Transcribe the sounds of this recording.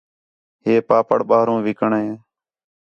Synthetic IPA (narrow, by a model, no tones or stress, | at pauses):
ɦeːpaːpəɽɓaːɾõːʋɪkəɳɦẽː